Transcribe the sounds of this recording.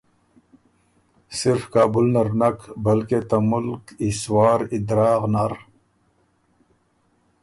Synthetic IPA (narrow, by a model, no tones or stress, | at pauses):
siɾfkaːbulnɐɾnɐkbɐlket̪ɐmulkiswaːɾid̪ɾaːqnaɾ